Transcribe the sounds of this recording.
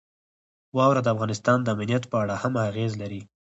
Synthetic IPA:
wɑwɾad̪əafɣɑnɪst̪ɑnd̪əamnijat̪pəaɽahamaɣezlaɾi

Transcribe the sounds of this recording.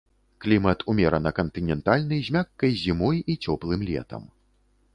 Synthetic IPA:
klʲimɐt̪ʰumʲɛɾɐnɐkɐnt̪ɨnʲɛnt̪alʲnɐjzʲmʲakːɐjzʲimɔjit͡sʲɔplˠɨmlʲɛ̰t̪ɐ̰m

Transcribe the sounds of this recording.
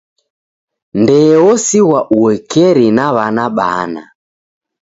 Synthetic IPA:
ndɛːɔsiɣwaʔuwɛkɛɾinaβanaɓa̰na̰

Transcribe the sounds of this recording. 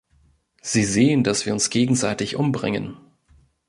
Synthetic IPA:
z̥iːzeːəndasv̥iːɐʊnsɡ̥eːɡŋ̩zaɪtɪçʔʊmbʁɪ̰ŋə̰n

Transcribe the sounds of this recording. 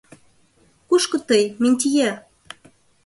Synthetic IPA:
kuʃkɤ̆t̪ɤjminʲt̪̬ʲijæ

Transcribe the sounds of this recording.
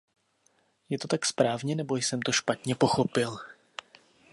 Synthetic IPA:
jɛt̪o̞t̪akspɾaːvɲɛnɛbo̞jsɛmt̪oʃpat̪ɲɛpo̞xo̞pɪl

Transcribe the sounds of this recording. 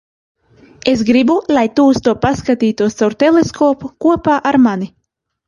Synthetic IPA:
es̬ɡɾibulˠajt̪uːst̪uɔpaskat̪iːt̪uɔst̪awɾt̪eleskɔːpukuɔpaːʔaɾmanʲi

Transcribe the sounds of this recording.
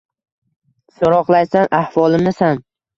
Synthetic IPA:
soɾɒqlˠajsanʔahvɒlˠɪmnɪsan

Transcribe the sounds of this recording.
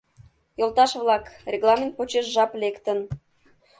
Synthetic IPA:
jolt̪ɑʃβlɑkrʲeɣlˠɑmʲent̪̚pot͡ɕeʃʒɑplekt̪ən

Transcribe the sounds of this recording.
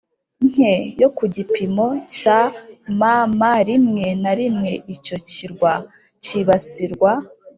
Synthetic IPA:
ŋ̥e̞jokuɟipimo̞camamaɾimŋe̞naɾimŋe̞ico̞ciɾɡwa | ciβasiɾɡwa

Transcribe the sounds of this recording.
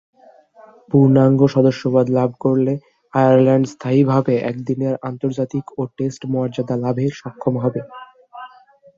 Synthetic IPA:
puɾnaŋɡoʃɔd̪oʃːobad̪lab̚ʱkoɾle | ajaɾlɛɳɖst̪ʰaibʱabeʔɛ̰kd̪ineɾant̪oɾd͡ʑat̪ikoʈesʈmoaɾd͡ʑad̪alabʱeɾʃɔkʰːomɦɔbe

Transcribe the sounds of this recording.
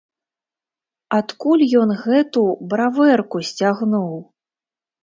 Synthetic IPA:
at̪kulʲjɔnɣɛt̪ubɾavɛrkusʲt͡sʲaɣnuw

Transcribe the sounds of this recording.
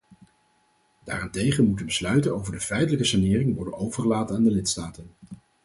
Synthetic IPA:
d̥a̰ːrantejχənmutəbəslœɥtənowvəɹdəfɛjtələkəsanɪːrɪŋʋɔɹdənowvəɹχəlaːtənaːndəlɪtstaːtən

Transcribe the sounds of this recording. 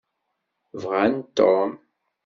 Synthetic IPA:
vʁant̪ːom

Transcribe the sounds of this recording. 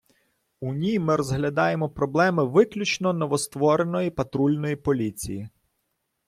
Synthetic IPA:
unʲijmɪɾɔzɦlʲɐd̪ɑjemɔpɾɔblˠɛmɪʋɪklʲut͡ʃnɔnɔʋɔst̪ʋɔɾenɔjipɐt̪ɾulʲnɔjipɔlʲit͡sʲḭji

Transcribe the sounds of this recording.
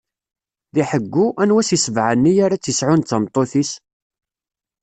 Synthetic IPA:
ðiħəɡːuʔænwæsisəvʕənːijaɾat͡sːisʕʊnt͡sːəmt̪ˤːoθis

